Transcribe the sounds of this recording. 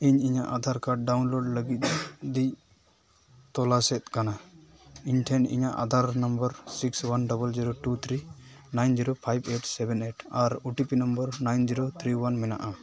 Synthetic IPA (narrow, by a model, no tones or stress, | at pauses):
iɲiɲaʔad̪ʱaɾkaɖawnloɖləɡit̪̚d̪i | t̪ɔlasɛt̪̚kana | iɲʈʰɛnḭɲaʔa̰d̪ʱaɾnəmbəɾsikswanɖɔbəld͡ʒiɾoʈut̪ʰɾinajnd͡ʒiɾopʰajbeʈsɛbɛneʈʰaɾuʈipinəmbəɾnajnd͡ʒiɾot̪ʰɾiwanmɛna̰ʔa